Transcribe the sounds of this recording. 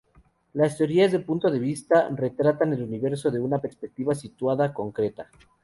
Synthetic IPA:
last̪eo̞ɾiazðelpunt̪o̞ðe̞βist̪are̞t̪ɾat̪ane̞luniβe̞ɾso̞ðe̞unape̞ɾspek̚t̪iβasit̪waðako̞ŋkɾe̞t̪a

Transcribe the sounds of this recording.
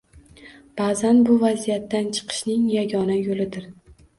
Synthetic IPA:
b̥aːzanbʊvazijat̪ːant͡ʃʰɨ̥qʰɨ̥ʃnɪŋjaɡʲɒnajolɪd̪ɪɾ

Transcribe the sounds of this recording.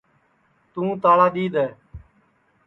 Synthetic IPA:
t̪ũːt̪aːɭaːɗ̪iːd̪ɛː

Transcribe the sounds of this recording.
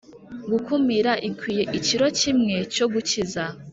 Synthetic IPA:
ɡukumiɾaʔikwiːje̞ʔiciɾo̞t͡ʃimŋe̞t͡ʃo̞ɡut͡ʃiza

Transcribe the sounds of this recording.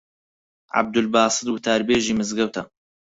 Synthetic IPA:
ʕa̰b̚d̪ʊlbɑːsˤɨt̪wʊt̪ʰaːɾbeːʒiːmɨzɡɐwt̪ʰɐ

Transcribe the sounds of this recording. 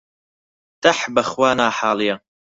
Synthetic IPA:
t̪aħbɐxwaːnaːħaːlija

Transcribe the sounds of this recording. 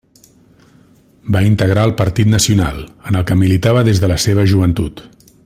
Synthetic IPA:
baint̪əɣ̞ɾaəlˠpəɾt̪it̪nəsiuna̰lˠənəlˠkəmilit̪aβəðezðələseβ̞əʒuβ̞ənt̪ut̪

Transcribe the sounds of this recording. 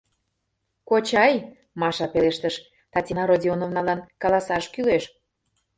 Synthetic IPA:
kot͡ɕɑj | mɑʃɑpeleʃt̪əʃ | t̪ɑtʲinɑɾodʲionovnɑlɑnkɑlɑsɑʃkyleʃ

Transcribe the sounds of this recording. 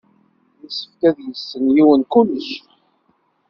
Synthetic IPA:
jisə̥fkæðjəsːənjiwənkuləʃ

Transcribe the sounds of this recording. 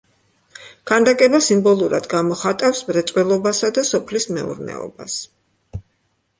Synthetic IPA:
ɡ̥ʰand̪akʼɛbasimbɔlˠuɾa̰d̪ɡamɔχat̪ʼafsmɾɛt̪sʼwɛlˠɔbasad̪asɔpʰlismɛṵɾnɛ̰ɔ̰ba̰s

